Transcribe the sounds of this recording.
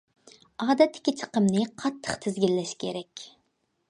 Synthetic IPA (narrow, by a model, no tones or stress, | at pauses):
ɑːd̪ɛt̪ʰːɪ̥kʲit͡ʃʰə̥qəmnɨqʰɑt̪ʰːə̥χt̪ʰɪzɡʲilːɛʃkʲʰeɾɛkʲ